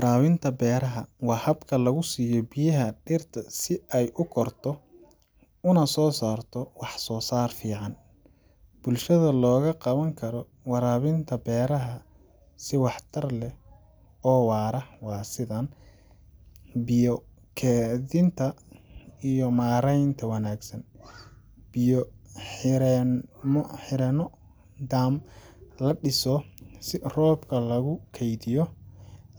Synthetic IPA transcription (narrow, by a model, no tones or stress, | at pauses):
wɑɾaːβɪnt̪ʰɐbɛːɾɐɦɐwɑːhɐbkʰɐlɐɣʊsiːjɔbijɐɦɐɖɪrt̪ʰɐsɪɛjʔʊkʰɔrt̪ʰɔ | ʊnɐsɔːsaːrt̪ʰɔwɑħsɔːsaːrfiːʕɑn | b̥ʊlʃɐðɐlɔːɣɐqɑβɐŋkʰɐɾɔ | wɑɾaːβɪnt̪ʰɐbɛːɾɐɦɐ | sɪwɑħt̪ʰɐrlɛ | ɔːwɑːɾɐwɑːsɪðɐn | bɪjɔ | kʰɛːðɪnt̪ʰɐ | ijɔmaːɾɛjnt̪ʰɐwɑnaːɡsɐn | b̥ɪjɔ | ɾɛmħɪɾɛnɔ | d̪aːmlɐɖɪsɔsɪrɔːbkʰɐlɐɣʊkʰɛjd̪ɪjɔ